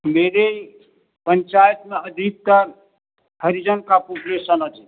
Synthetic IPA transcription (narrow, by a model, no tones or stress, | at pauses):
meɾe | pənt͡ʃajət̪meəd̪ʱik̚t̪əɾ | həɾid͡ʒənkapopulesənəd͡ʒʰi